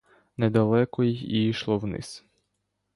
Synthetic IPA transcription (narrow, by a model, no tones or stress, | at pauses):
nɛd̪alˠɛkɔjixḭiʃlˠɔwnḭs